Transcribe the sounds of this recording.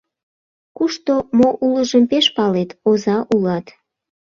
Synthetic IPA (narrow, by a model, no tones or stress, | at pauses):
kuʃt̪omoʔuləʒəmpeʃpɑlet̪ozɑʔulɑt̪